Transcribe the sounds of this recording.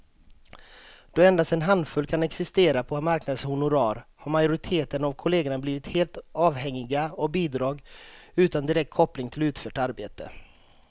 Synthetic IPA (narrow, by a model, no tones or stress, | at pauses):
d̪̥ɔɛnd̪ast̪ɛnɦand̪fɵlːkʰanɛksɪst̪eːɾapʰɔamaɾknad̪shʊnʊɾɑːɾhaɾmajʊɾɪt̪ʰeːt̪ənavkʰʊleːɡəɳabliːvɪt̪heːlt̪ɑːvhɛŋːɪɡaɔk̚biːd̪ɾɑːɡʉ̟ːt̪and̪ɪɾɛk̚t̪̚kʰɔplɪŋt̪ʰɪlʉ̟ːt̪fœːʈaɾbeːt̪ə̰